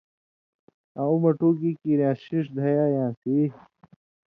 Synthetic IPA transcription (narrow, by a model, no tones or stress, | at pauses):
aũmɐʈuːɡikiɾjãːɕiʂd̪ʱɐjaːjãːsi